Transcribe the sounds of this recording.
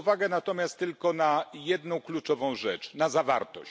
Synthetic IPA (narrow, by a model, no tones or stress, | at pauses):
vaɡɛnat̪ɔmʲjast̪ːɘlkɔnajɛd̪nɔ̃w̃klut͡ʂɔvɔ̃w̃ʐɛt͡ʂnazava̰ɾt̪ɔ̰ɕ